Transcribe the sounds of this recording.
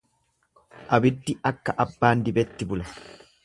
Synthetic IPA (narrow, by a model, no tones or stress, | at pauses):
ʔɐbɪd̪ːɪɐkːɐʔɐbːaːnd̪ɪbɛt̪ːɪbʊlɐ